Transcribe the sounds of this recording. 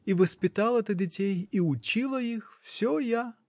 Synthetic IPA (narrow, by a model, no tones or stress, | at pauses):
iʋɐsʲpʲɪt̪ɑlˠɐt̪ɪdʲitʲɛjiʊt͡ʃilˠɐjixw̥sʲɔja